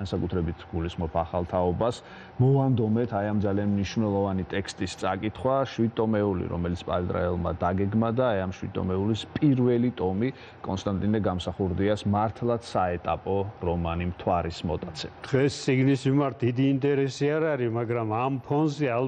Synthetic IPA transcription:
ansakʼut̪ʰɾɛbit̪ʰɡ̥ulisχmɔpʰaχalˠt̪ʰaɔbas | mɔvand̪ɔmɛt̪ʰajamd̪zalianmniʃvnɛlˠɔvanit̪ʼɛkʰst̪ʼist̪sʼakʼit̪ʰχwaʃwid̪̚t̪ʼɔmɛulḭɾɔ̰mɛlit̪sʰpʼa̰lɛt̪ʼɾa̰ɛlˠma̰d̪aɡɛɡmad̪aːjamʃwid̪t̪ːʼɔ̰mɛulispʼiɾvɛlit̪ʼɔmi | kʼɔnst̪ʼant̪ʼinɛɡamsaχuɾd̪iasmaɾt̪ʰlˠat̪saɛt̪ʼapʼɔɾɔmanimt̪ʰwaɾismɔt̪ʼat̪sʰɛ̥d̪̥ʁɛst̪sʼiɡnismimaɾt̪̚d̪id̪iːnt̪ʼɛɾɛsiaɾaɾimaɡɾamampʰɔnzɛal

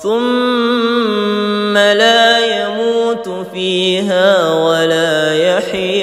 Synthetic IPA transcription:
θʊm | alaːjamuːt̪ | fiːɦaːwalaːjaħ

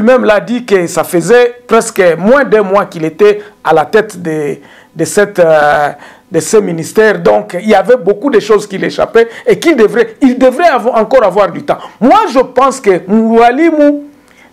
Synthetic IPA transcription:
mɛmlad̪ikəsafəzɛpʁɛskəmwɛ̃d̪ɛmwakilet̪ɛalat̪ɛt̪d̪ə | d̪əsɛt̪ | d̪əsɛminist̪ɛʁd̪ɔ̃kilavɛbokud̪eʃozkileʃa̰pɛekild̪əvʁɛild̪əvʁɛɑ̃kɔʁavwaʁd̪yt̪ɑ̃mwaʒəpɑ̃skəmuɾwalimu

